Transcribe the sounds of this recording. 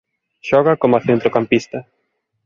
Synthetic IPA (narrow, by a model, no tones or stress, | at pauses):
ʃɔɣakomaθent̪ɾokampist̪ɐ